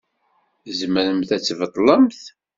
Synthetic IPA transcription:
zməɾəmθæt͡sːvət̪ˤːləmθ

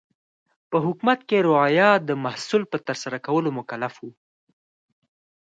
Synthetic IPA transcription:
pəɦʊkmat̪̚keɾʊɑjɑd̪əmahsulpət̪əɾsaɾakawəlomʊkalafwu

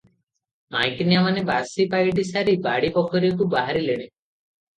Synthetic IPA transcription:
ma̰jknijamanebasipajʈisaɾibaɽipɔkʰɔɾik̬ubaɦaɾileɽ̃e

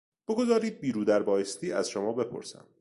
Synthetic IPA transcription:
b̥oɡo̞zɒːɾiːd̪̚biːɾuːd̪æɾbɒːjest̪iːæ̰z̥ʃomɒːbe̞pʰo̰ɾsæ̰m

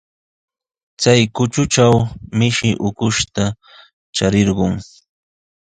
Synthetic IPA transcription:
t͡sajkʊt͡ʃʊt͡ʃawmɪʃɪʔʊkʊʃt̪a | t͡ʃaɾɪɾɢʊŋ

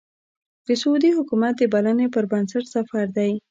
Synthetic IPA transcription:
d̪̥əsud̪ihʊkumat̪̚d̪əbalanepəɾbansaʈsafɑɾd̪aj

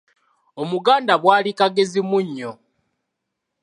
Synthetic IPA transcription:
omuɡaːndaβwaːlikaɡe̞zimuɲːo

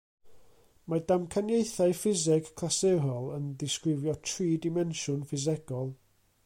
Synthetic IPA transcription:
madamkʰanjejθajfɪzɪkːʰlˠaseɦɔlˠəndɪskɾɪvjɔtʰriːdɪmɛnʃʊnfɪzɛɡɔlˠ

